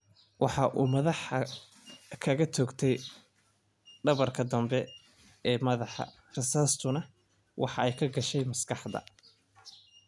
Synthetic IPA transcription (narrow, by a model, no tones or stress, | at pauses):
wʔɑħɑʔuːmɐðɑħ | kʰɐɣɐt̪ʰɔːɡt̪ʰɛj | ɖɐβɐrkʰɐd̪ɐmbɛ | ɛːmɐðɑħɑ̰ | rɐsaːst̪ʰʊnɐ | wʔɑ̰ħɑɛjkʰɐɡɐʃɛjmɐskʰɑħd̪ɐ̰